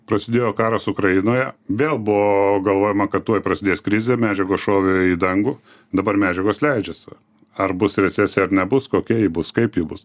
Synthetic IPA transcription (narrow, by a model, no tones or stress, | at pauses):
pɾɐsʲɪd̪ʲeːjoːkɑːɾɐsʊkɾɐjɪnoːjɛʋʲeːlˠbʊʋoɡɐlˠʋoːjɛmɐkɐt̪t̪uɔjpɾɐsʲɪd̪ʲeːskɾʲɪzʲemʲæːd͡ʒʲɛɡoːsʃoːʋʲɪiːd̪ɐŋɡuː | d̪ɐbɐɾmʲæːd͡ʒʲɛɡoːslʲɛɪd͡ʒʲɛs | ɐrbʊsɾʲɛsʲæːsʲɛɐɾnʲɛbʊskoːkʲiɛjɪbʊskɐɪpjibʊs